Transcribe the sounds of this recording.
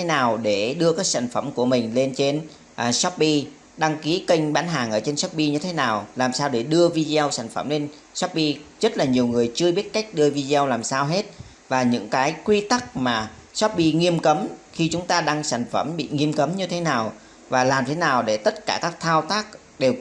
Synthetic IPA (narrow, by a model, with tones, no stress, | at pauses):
e˨˦naː˨˩wɗe˧˩ɗɨ˧əkaː˦˥k̚sa̰ː˧˩jŋ̟fə˧˩mku˧˩əmï˨˩ŋ̟le˧nt͡ɕe˧n | ʔsɔ˦˥p̚ɓi˧ | ɗa˧ŋki˨˦kə˧jŋ̟ɓaː˨˦nɦaː˨˩ŋʔəː˧˩t͡ɕe˧nsɔ˦˥p̚ɓi˧ɲɨ˧t̪ʰe˨˦naː˨˩wlaː˨˩msaː˧wɗe˧˩ɗɨ˧əvi˧zi˧ə˧wsa˧˩jŋ̟fə˧˩mle˧n | sɔ˦˥p̚ɓi˧zə˦˥t̚laː˨˩ɲi˨˩əwŋɨ˨˩əjt͡ɕɨ˧əɓi˦˥ət̚ka˦˥jk̟̚ɗɨ˧əvi˧zi˧ə˧wlaː˨˩msaː˧wɦe˦˥t̚ | vaː˨˩ɲɨ̰˧˥ŋkaː˨˦jkwi˧t̪a˦˥k̚maː˨˩ | sɔ˦˥p̚ɓi˧ŋi˧əmkə˨˦mxi˧t͡ɕʊ˨˦ŋ͡mt̪aː˧ɗaː˧ŋsa˧˩jŋ̟fə˧˩mɓḭ˧˨ŋi˧əmkə˨˦mɲɨ˧t̪ʰe˨˦naː˨˩w | vaː˨˩laː˨˩mt̪ʰe˨˦naː˨˩wɗe˧˩t̪ə˦˥t̚kaː˧˩kaː˦˥k̚t̪ʰaː˧wt̪aː˦˥k̚ | ɗe˨˩w